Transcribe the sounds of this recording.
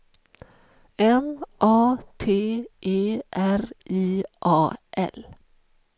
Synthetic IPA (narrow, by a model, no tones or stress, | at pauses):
ɛmʔɑːt̪ʰeːʔeːʔæɾʔiːʔɑːʔɛ̰l